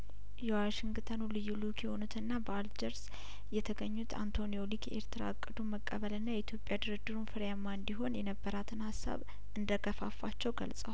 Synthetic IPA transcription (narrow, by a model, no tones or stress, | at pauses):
jɛwaʃɪŋɡt̪ʰənulɨjːulukjɛhonut̪ʰɨnːabəald͡ʒəɾs | jɛt̪ʰəɡəɲːut̪ʰa̰nt̪ʰo̞nijo̞like̞̰ɾt̪ʰɨɾa̰kʼːɨd̪uməkʼːəβəlɨnːajɛit̪ʰjo̞pʼjad̪ɨɾɨd̪ɨɾunfɨɾjamːaɨnd̪iɦo̞njɛnəbːəɾat̪ʰɨnhasːa̰β | ɨnd̪əɡəfa̰fat͡ʃːɛwɡə̰lsʼəwa